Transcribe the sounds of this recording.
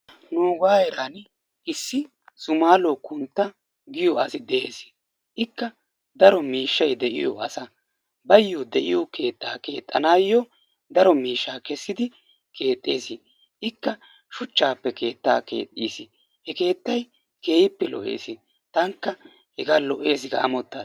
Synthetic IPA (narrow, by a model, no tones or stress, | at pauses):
noːɡaːɛɾaːn | ʔɪsːɪ | sʊmaːloːkʊnt̪ːɐ | ɡɪjɔɐsɪd̪ɛʔeːsɪ̥ | ʔɪkːɐ | d̪ɐɾɔmiːʃːɐjd̪ɛʔɪ̰jɔ̰ɐsɐ | bɐjːɔd̪ɛʔɪ̰jɔke̞ːt̪ːa̰ːkeːt̪ʼːɐ̰naːjːɔ | d̪ɐɾɔmiːʃːaːkɛsːɪd̪ɪ | kʰe̞ːt̪ʼːeːsɪ | ʔɪkːɐ | ʃʊt͡ʃːaːpːɛkʰe̞ːt̪ːa̰ːke̞̰ːt̪ʼːḭːsɪ | hɛke̞ːt̪ːɐj | ke̞ːjɪpːɛlɔ̰ʔe̞̰ːsɪ | t̪ɐŋkːɐ | hɛɡalɔʔe̞ːsɪɡɐ̰ɐ̰mɔt̪ːaː